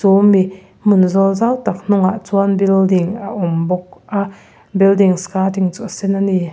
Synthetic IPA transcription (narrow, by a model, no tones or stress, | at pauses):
t͡sumi | munzɔlzawt̪ak̚n̥ʊŋaʔt͡suanbildiŋaʔumbɔk̚ʔa | bildiŋskatiŋt͡suʔsɛnani